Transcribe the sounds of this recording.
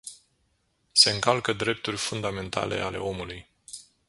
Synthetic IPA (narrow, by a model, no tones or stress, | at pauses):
se̞ɨŋkalkəd̪ɾe̞p̚t̪urʲfund̪ame̞nt̪a̰le̞̰ʔale̞̰o̞muluj